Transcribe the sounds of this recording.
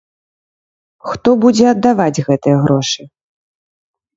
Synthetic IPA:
xt̪ɔbud͡zʲɛɐd̪ːavad͡zʲɣɛt̪ɨjɐɣɾɔʂɨ

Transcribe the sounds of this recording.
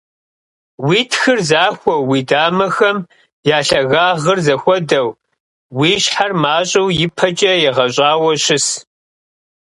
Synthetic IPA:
wiːtʰxɨrzaːxʷɔwwiːdaːmɐxɐm | jaːɬɐɣaːʁərzɐxʷɔdɐw | wiːɕħarmaːɕʼɐwjɪpʰɐt͡ʃʼɐjɛʁɐɕʼaːwɐɕɪs

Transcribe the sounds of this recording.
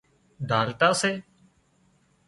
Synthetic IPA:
ɖʱaːlʈ̪aːseː

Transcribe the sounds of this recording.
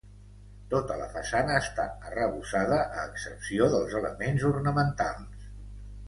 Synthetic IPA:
t̪ot̪ələ̰fəsanəːst̪a̰ərəβusaðəʔəːksəpsioðəlˠzələmenzurnəmənt̪alˠs

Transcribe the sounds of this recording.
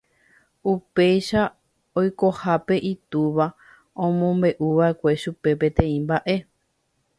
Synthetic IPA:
upe̞jʃa | ojko̞hape̞ʔit̪uʋa | õmõmbe̞ʔuʋae̞kʷe̞ʃupe̞pẽ̞t̪ẽ̞ĩmbaʔe̞

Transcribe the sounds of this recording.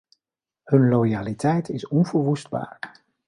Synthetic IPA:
hɵnlojaːlitɛjtʰɪsɔnvəɹʋusd̚ba̰ːɹ

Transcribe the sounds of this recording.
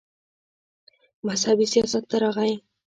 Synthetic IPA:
mashabisijɑsat̪ːaɾaʁaj

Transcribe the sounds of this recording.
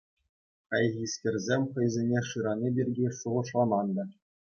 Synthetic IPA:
kɑjɣʲisʲkʲerʲzʲemʲχɤ̆jzʲenʲeʂɯɾɑnʲibʲirʲɡʲiʂuʁɤ̆ʂlˠɑmɑnd̪ɑ

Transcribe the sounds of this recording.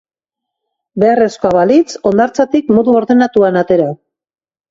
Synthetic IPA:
be̞are̞skoaβalit͡so̞nd̪aɾt͡sat̪ikmoðuo̞ɾðe̞nat̪uanat̪e̞ɾa

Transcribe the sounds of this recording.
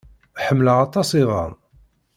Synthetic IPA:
ħəmːləʁɑt̪ˤɑsiðə̰m

